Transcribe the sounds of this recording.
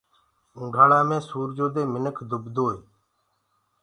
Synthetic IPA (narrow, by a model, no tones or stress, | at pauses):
ʊ̃ːɡʱaːɭaːmẽːsuːɾd͡ʒoːd̪eːmɪnəkʰd̪ʱʊbd̪ʱoːeː